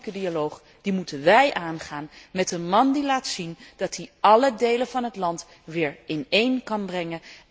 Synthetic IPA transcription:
kədialowχ | d̥imutənʋɛjʔaːnχaːnmɛtənmɑndilaːtsind̥ɑtiʔɑlədejlənvɑnɦətlɑnt | ʋɪːɹɪnejnkɑnbrɛŋə

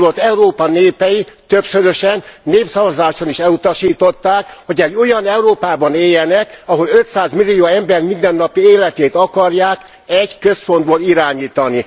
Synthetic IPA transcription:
lot̪ːɛuɾoːpɒneːpɛjit̪øpsøɾøʃɛnːeːpsɒvɒzaːʃoniʃɛlut̪ɒʃiːt̪o̞t̪ːaːkho̞ɟɛɟːo̞jɒnɛuɾoːpaːbɒneːjɛnɛkɒɦo̞løt̪saːzmilːioːɛmbɛrmind̪ɛnːɒpieːlɛt̪eːt̪ɒkɒrjaːk | ɛɟkø̞spo̞nd̪boːliɾaːɲiːt̪ɒni

